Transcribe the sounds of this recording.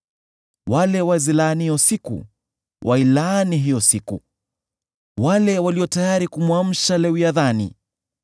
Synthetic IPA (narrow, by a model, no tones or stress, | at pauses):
walɛwazilanihiɔsikṵ | wʔailaniɦijɔsiku | walɛwaliɔtajaɾikumwam̩ʃalɛwjaðanḭ